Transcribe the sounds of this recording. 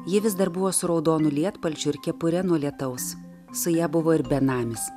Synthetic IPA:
jɪʋʲɪzd̪ɐɾbʊʋoːsʊɾɒʊd̪oːnʊlʲiɛt̪pɐlʲt͡ʃʲʊɪɾkʲɛpʊɾʲɛnuɔlʲiɛt̪ɐʊs | sʊjæːbʊʋoːɪɾbʲɛnɑːmʲɪs

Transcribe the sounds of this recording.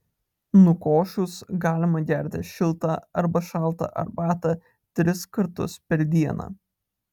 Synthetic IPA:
nʊkoːʃʲʊsɡɑːlʲɪmɐɡʲɛˑɾʲt̪ʲɪʃʲɪlˠt̪ɑɐɾbɐʃɑˑlˠˑt̪ɐ̰ʔɐ̰ɾbɑːt̪ɐ | t̪ʲɾʲɪskɐɾt̪ʊ̰spʲɛɾʲd̪ʲiɛnɑ̰ː

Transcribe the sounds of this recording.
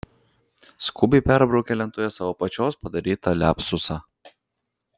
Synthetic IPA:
skʊbʲɛpʲæˑɾbɾɔʊkʲɛlʲɛnt̪oːjɛsɑʋoːpɐt͡ʃʲoːspɐd̪ɐɾʲiːt̪ɐlʲæːpsʊsɑː

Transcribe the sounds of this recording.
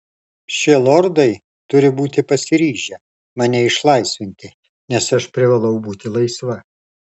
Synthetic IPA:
ʃʲɪlˠɔɾd̪ɐɪ | t̪ʊɾʲɪbuːt̪ʲɪpɐsʲɪɾʲiːʒʲɛ | mɑnʲɛɪʃlˠɐɪsʲʋʲɪnʲt̪ʲɪ | nʲɛsɐʃpʲɾʲɪʋɐlˠɐʊbuːt̪ʲɪlˠɐɪsʋɐ

